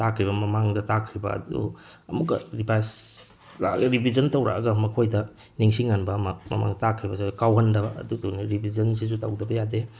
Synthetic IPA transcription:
takʰɾibɐmɐmaŋdɐtakʰɾibɐ̰ɐ̰dṵ | ɐmukːɐ̰ɾipajs | ɾa̰ɾibʱizɐntɐwɾa̰ɐɡɐmɐkʰojdɐ | niŋsiŋanbɐːmɐmɐ̰ma̰ŋdɐtakʰɾibɐsiukawɦɐndɐbɐʔɐ̰duduniɾibʱizɐnsis̬utawdɐbɐjade

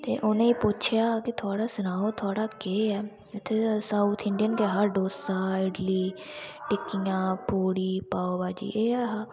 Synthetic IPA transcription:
t̪ḛːʔʊnẽːiːpʊt͡ʃʰjaːkɪt̪ʰʊaːɽaːsʊnaːoːt̪ʰʊaːɽaːkeːɛː | ɪt̪ʰːeːsauːt̪ʰɪɳɖijənkeːɦaɾɖoːsaːɪɖliːʈɪkːijãːpuːɽiːpaːoːbaːd͡ʒḭːʔeːɛːɦaː

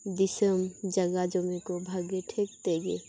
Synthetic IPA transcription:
d̪isəmd͡ʒəɡad͡ʒomikobʱəɡeʈʰek̚t̪eɡḛ

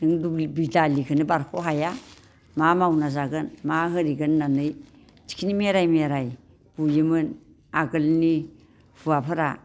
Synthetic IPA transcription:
nɯŋdubidalikʰɯnɯbaɾkʰoɦaja | mamawnazaɡɯnmaɦɯɾiɡɯnːanɯj | ti̥kʰinimeɾajmeɾaj | b̥ujɯmɯn | aɡɯlni | puapʰɯɾa

